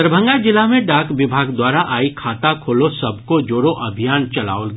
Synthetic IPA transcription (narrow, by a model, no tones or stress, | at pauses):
əɾbʱə̃ŋɡad͡ʒɪlamẽɖaːkʋɪbʱaːɡd̪waːɾaʔaːikʰaːt̪akʰoːlosɐbkod͡ʒoːɽoʔɐbʱijaːnt͡ʃɐla̰ːol